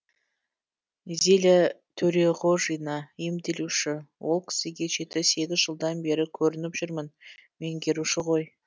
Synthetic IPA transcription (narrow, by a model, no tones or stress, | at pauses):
zelɪt̪ʰɵɾe̞ʁoʒijnɑemd̪e̞luʃɪwo̞lˠkʲʰɪ̥sɪɡʲe̞ʒe̞t̪ɪse̞ɡʲɪzʒəlˠd̪ɑnbe̞ɾɪkʲʰɵɾɪnɪpʒ̥ʏɾmənme̞ŋɡʲe̞ɾuʃɪʁo̞j